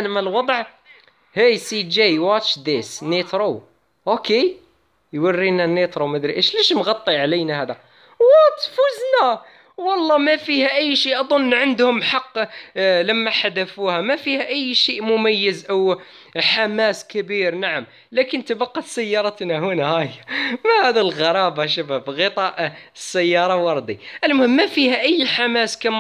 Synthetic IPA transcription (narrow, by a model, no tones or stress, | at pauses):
nmalwɑd̪ˤʕ | hæsid͡ʒejwɑt͡ʃd̪esnet̪ɾo | ʔoke | jwərːinanːet̪ɾomæd̪ɾiʔeʃliʃmɣɑt̪ˤːiʕlɪnahæːd̪a | wɑt̪fʊznæ | wɑlˤːɑmæfihæʔæjːʃiːʔɑd̪ˤʊnːʕənd̪hʊmħɑqːlæmːaħad̪afuhæmæfiːhæʔɪjːʃiːʔmʊmæjːəzʔaw | ħamaːskɪbiːɾnaʕam | lakənt̪abɑqːɑt̪sajːɑːɾˤɑt̪naɦʊnahæjmahæd̪ilɣɑɾˤɑːbɑʃ̬abæbɣət̪ˤɑʔsːæjːɑːɾˤɑwɑɾˤd̪iʔəlmʊhɪmːæfiːhæʔɪjːħamaskam